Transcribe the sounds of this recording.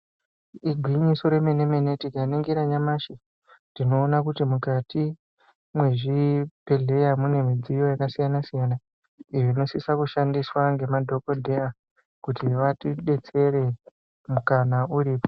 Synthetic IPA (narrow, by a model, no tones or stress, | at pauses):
iɡʱwiɲiso̞ɾemenemenetikaneŋɡeɾaɲamaʃi | dino̞ːnakutimukati | mwe̞ʐipe̞ɮe̞jamune̞mid͡zijo̞jakasijanasijana | ijoino̞sisakuʃandiswaŋɡe̞madʱo̞ko̞dʱe̞a | kutiʋatiɗe̞t͡se̞ɾe | mukanauriːpo